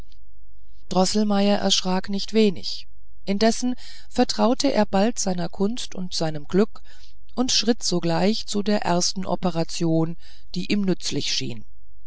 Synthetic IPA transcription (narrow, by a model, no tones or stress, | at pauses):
d̥ʁɔsl̩maɪɐʔɛ̰ɐʃʁ̥aːknɪçtv̥eːnɪ̰ç | ʔɪndɛsn̩ | fɛɐtʁ̥aʊtʰəʔḛːɐbaltz̥aɪnɐkʰʊnstʊ̰ntz̥aɪnəmɡ̥lʏk | ʔʊntʃʁ̥ɪtz̥oɡlaɪçt͡sudeːɐʔɛ̰ɐstn̩ʔɔ̰pəʁat͡sjoːn | d̥iːʔiːmnʏt͡slɪçʃḭːn